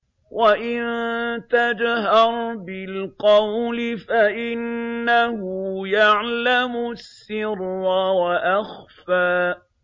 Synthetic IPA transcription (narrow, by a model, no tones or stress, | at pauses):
wʔaʔɪnt̪ad͡ʒɦɑɾˤbɪlqɑwlɪfaʔɪnːahʊjaʕlamʊsːɪɾːɑwaʔaxfaː